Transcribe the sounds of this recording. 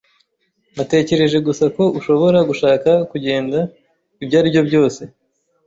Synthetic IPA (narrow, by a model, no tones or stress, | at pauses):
nate̞ːce̞ɾe̞ʒe̞ɡusako̞uʃoβo̞ɾaɡuʃaːkakuɟe̞ːnda | ibɟaːɾibjo̞bɟo̞ːse̞